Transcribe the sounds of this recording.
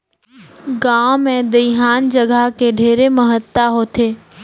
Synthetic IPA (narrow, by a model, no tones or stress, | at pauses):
ɡãːomẽd̪əɦaːnd͡ʒəɡʱəkeɖʱeːɾeməɦət̪ːaɦoːt̪ʰeː